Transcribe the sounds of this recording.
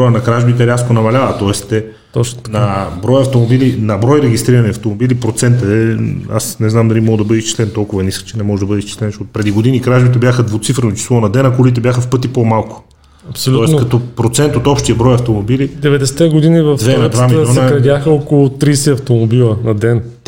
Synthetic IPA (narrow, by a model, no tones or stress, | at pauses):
bɔjənɐkɾaʒbit̪ɛɾʲjaskonɐmɐlʲavət̪ɔɛst̪ɛ | t̪ɔt͡ʃnɐbɾɔjɐft̪omobilinɐbɾɔjɾɛɡʲist̪ɾiɾɐniɐft̪omobilipɾot̪sɛnt̪əɛa̰snɛznamd̪ɐlimɔɡd̪ɐbɤd̪ɛist͡ʃi̥slɛnt̪ɔlˠkʊvɐniskə̥t͡ʃɛnɛmɔʒɛd̪ɐbɤəd̪ɛist͡ʃi̥slɛnt͡ʃot̪pɾɛd̪iɡod̪inikɾaʒbit̪ɛbʲjaxəd̪vot̪sifɾnot͡ʃi̥slˠɔnɐd̪ɛnɐkulit̪ɛbjaxəfpɤt̪ipomalˠkʊ̥ | ɐpsoluɔɛsnkɐt̪ɔpɾot̪sɛnt̪ot̪ɔpʃt̪iɐbɾɔjɐft̪omobilid̪ɛvɛd̪ɛsɛ̥t̪ɛɡʊd̪inivɐfvɛnɐd̪vvamiljɔnəkɾɐd̪ʲjaxəɔkolˠʊt̪ɾisɛɐft̪omobilˠənɐd̪ɛn